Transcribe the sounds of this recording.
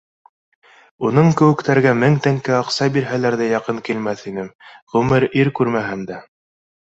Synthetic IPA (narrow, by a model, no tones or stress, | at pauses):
unɤɴkɘ̆wɘ̆kt̪æɾɡæmɘŋt̪æŋkɘɑqsɑbiɾɦælæɾðæjɑqɤŋkilmæθinɘmʁʉmɘɾiɾkʉɾmæɦɘmd̪æ